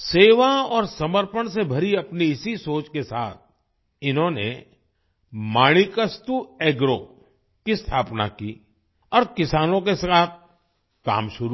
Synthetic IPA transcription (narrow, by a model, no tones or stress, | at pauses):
seːʋaɔːɾsɐməɾpəɳ̃sebʱɐɾiɐpniɪsisoːt͡ʃkesa̰ːt̪̚ʰ | ɪnɦõnḛ | maːɽ̃ikəst̪ueːɡɾo | kist̪ʰaːpna̰kiː | ɔːɾkɪsaːnõkeskaːt̪̚ | ka̰ːmʃʊɾu